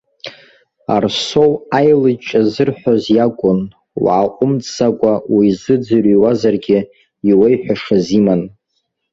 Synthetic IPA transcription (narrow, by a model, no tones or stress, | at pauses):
a̰rso̞wajlɨt͡ʃʼazɨrħʷozjakʷʼʊn | wʕaʔʷʼʊmt͡ssakʷʼawizɨd͡zɨriwazarɡʲɪ | iwejħʷᶣaʂaziman